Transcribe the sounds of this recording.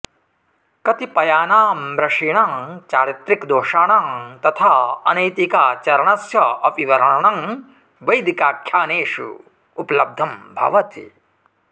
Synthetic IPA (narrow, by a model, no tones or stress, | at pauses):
kɐt̪ipɐjaːnaːmɾɐʂiːɳaːŋt͡ʃaːɾit̪ɾikd̪oːʂaːɳaːŋt̪ɐt̪ʰaːɐ̰nɐjt̪ikaːt͡ʃɐɾɐɳɐsjɐɐpiʋɐɾɐɳɐɳɐŋ | ʋɐjd̪ʱikaːkʰjaːneːʂṵ | upɐlɐb̚d̪ʱɐmbʱɐ̰ʋɐt̪ḭ